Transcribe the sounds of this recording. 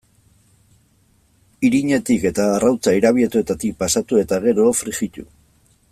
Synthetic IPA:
iɾiɲe̞t̪ike̞t̪aːrawt͡saiɾaβ̞ie̞t̪ue̞t̪at̪ik̚pasat̪ue̞t̪aɣe̞ɾofɾixit̪u

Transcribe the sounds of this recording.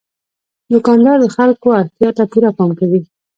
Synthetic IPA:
d̪ʊkɑnd̪ɑɾd̪əxalkoaɾt̪jɑt̪apuɾapɑmkawi

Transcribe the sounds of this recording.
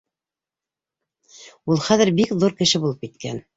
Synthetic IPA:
ulˠχæðɘ̆ɾbikðuɾkɘ̆ʃɘbulˠɤp̚kit̪̚kæ̰n

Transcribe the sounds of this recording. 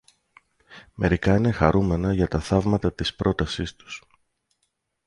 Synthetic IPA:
me̞ɾikɐine̞xɐɾume̞nɐʝɐt̪ɐθɐvmɐt̪ɐt̪ispɾo̞t̪ɐsist̪u̥s

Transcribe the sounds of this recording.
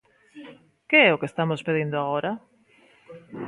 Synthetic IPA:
keɛʊkest̪amospeðind̪ʊaɣoɾa

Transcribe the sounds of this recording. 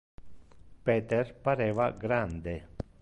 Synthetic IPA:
peːt̪ɛɾpaɾeːvaɡɾand̪e

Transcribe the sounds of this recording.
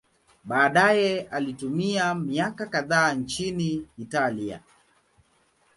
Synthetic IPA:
ɓaːɗajɛalitumiamiakakaðaːnt͡ʃiniːtalia̰

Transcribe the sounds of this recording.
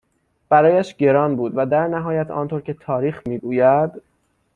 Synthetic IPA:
b̥æɾɒːjæʃɟe̞ɾɒːnbuːd̪væd̪æɾnæɦɒːjæt̪ʰɒ̰ːnt̪ʰoɾkcʰe̞t̪ʰɒːɾiːxmiːɡuːjæd̪

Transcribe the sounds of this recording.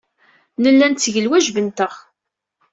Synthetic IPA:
nəlːænt̪ːəʝəlwæʒvənt̪əʁ

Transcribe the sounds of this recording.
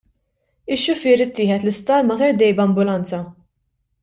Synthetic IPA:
ɪʃːʊfɪɾɪt̪ːɪːħɛt̪lɪst̪ɐːɾmɐt̪ɐɾd̪ɛjbɐmbʊlɐnt͡sɐ

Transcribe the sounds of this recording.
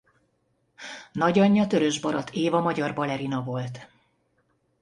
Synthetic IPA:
nɒɟɒɲːɒt̪øɾø̞ʒbɒɾɒt̪ʰeːvɒmɒɟɒrbɒlɛɾinɒvo̞lt̪

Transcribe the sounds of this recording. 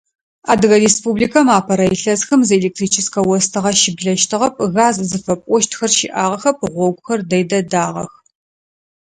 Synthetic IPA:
a̰ːdɨɣɐɾespublikʰɐmaːpʰɐɾɐjɪɬɐzxɐmzeleːk̚tʰriːt͡ʃʰɪskɐwɔstʰɐʁɐʃɪbɮɐʃtʰɨʁɐp̚ʰɣaːzzɨfɐpʼʷɔʃtʰxɐrʃɪ̰ʔaːʁɐxɐp̚ʰɨʁʷɔɡʷʼʊxɐrdɐjdɐdaːʁɐ̰x

